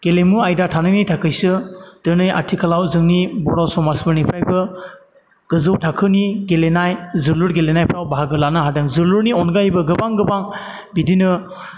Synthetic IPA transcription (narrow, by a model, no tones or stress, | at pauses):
ɡ̥elemuajdatʰanɯjnɯjtʰakʰɯjsɯtɯnɯjʔa̰tʰikʰalawzɯŋnibɔɾawsɔmasbɯɾnipʰɾajbɯ | ɡ̥ɯzɯwtʰakʰɯniɡelenajzɯluɾɡelenajpʰɾawbaɦaɡɯlanɯɦadɯŋzɯluɾniɔnɡajbɯɡɯbaŋɡɯbaŋ | bidinɯ